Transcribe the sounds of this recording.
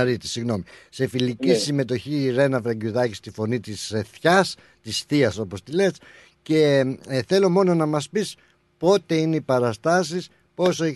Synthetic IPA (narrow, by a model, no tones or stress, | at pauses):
ɾit̪i̥siɣno̞mise̞filicisime̞t̪o̞çiːɾe̞nɐfɾɐɟuðɐcist̪ifo̞nit̪iseθçɐs | t̪isθiɐso̞po̞st̪ile̞s | ceθe̞lo̞mo̞no̞nɐmɐspis | po̞t̪e̞ineipɐɾɐst̪ɐsis | po̞soe